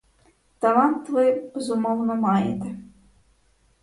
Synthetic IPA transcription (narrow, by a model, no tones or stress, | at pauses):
t̪alˠant̪vɨbʲɛzumɔwnɐmajɛ̰t̪ɛ